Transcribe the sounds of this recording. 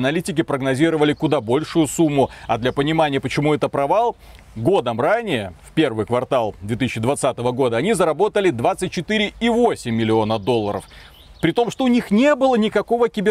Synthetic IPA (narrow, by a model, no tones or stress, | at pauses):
nɐlʲitʲɪkʲɪpɾəɡnɐzʲiɾəvəlʲɪkʊd̪abo̞lʲʂʊjʊsumːʊɐd̪lʲɐpənʲɪmanʲɪjəpət͡ɕɪmuɛt̪əpɾɐvalˠ | ɡo̞d̪əmranʲɪjəfʲpʲe̞rvɨjkvɐrt̪alˠd̪vʲet̪ɨsɪːɕːɪd̪vɐt̪sat̪əvəɡo̞d̪əɐnʲizəɾɐbo̞t̪əlʲɪd̪vat̪sɨt̚ʲt͡ɕɪt̪ɨɾʲɪivo̞sʲɪmʲːɪlʲɪo̞nəd̪o̞lˠːəɾə̰f | pɾʲɪt̪o̞mʂt̪o̞ʊnʲixnʲe̞bɨlˠənʲɪkɐko̞vəkʲɪbʲɪ